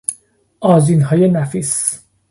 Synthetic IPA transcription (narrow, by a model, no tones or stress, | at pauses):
ʔɒːzinɦɒːje̞næfis